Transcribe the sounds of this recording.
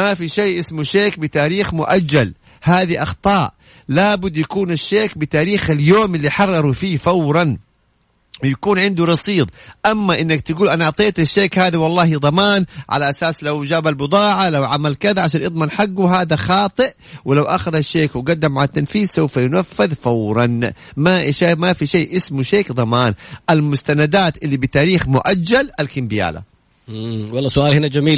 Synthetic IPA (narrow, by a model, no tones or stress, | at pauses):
mafiʃeːʔɪsmuʃeːk̚bɪt̪aːɾiːxmʊʔad͡ʒːal | haːðiʔɑxt̪ˤɑːʔ | laːbʊd̪ːjakuːnaʃːeːkbɪt̪aːɾiːxaljoːmɪlːiħɑrˤːɑɾˤufiːfawɾˤɑn | wjakuːnʕɪnd̪uɾɑsˤiːd̪ˤʔamːaʔɪnːakt̪ɪɡuːlʔanaɑʕt̪ˤeːt̪aʃːeːkhaːðiwɑlˤːɑːhid̪ˤɑmaːnʕa̰laʔasaːslawd͡ʒaːbalbʊd̪ˤɑːʕalawʕamalkaðaʕaʃ̬aːnʔɨd̪ˤmanħaɡːuɦaːðaxɑːt̪ˤɨʔ | wɪlawʔa̰xaðaʃːeːkwɪɡad̪ːamʕalat̪ːanfiːðsawfajʊnafːɪðfawɾˤɑnmaʔʃamafiʃaːʔɪsmuʃeːkd̪ˤɑmaːnʔalmʊst̪anad̪aːt̪ʔɪlːibɪt̪aːɾiːxmʊʔad͡ʒːalʔalkɪmbɪja̰ːla̰ | wɑlˤːɑːsʊʔaːlhɪnad͡ʒamiːl